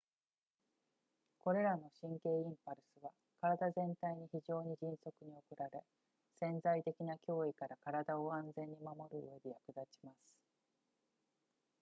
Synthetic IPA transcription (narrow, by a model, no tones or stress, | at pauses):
ko̞ɾe̞ɾano̞ɕĩŋke̞ːĩmpaɾɯ̟sɨβa | kaɾad̪azẽ̞nt̪aiɲ̟içiʑo̞ːɲ̟iʑĩɰ̃so̞kɯ̟ɲ̟io̞kɯ̟ɾaɾe̞ | sẽ̞nd͡zait̪e̞kʲinakʲo̞ːikaɾakaɾad̪aoãnd͡zẽ̞ɲ̟ːimamo̞ɾɯ̟ɯ̰e̞d̪e̞jakɯ̟d̪at͡ɕi̥masɨ̥